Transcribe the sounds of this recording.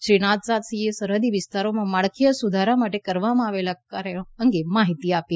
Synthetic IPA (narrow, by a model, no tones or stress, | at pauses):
ʃɾiɽ̃at̪sat̪sijesəɾɦəd̪iʋist̪aɾomãmaɭkʰijəsud̪ʱaɾamaʈekəɾʋamãaʋelakaɾeəŋɡemaɦit̪iapi